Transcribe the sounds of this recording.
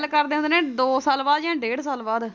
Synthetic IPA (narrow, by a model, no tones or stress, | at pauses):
lkəɾd̪eːɦʊnd̪eːnẽːd̪oːsaːlbaːd̪jãːɖeːɽsaːlbaːd̪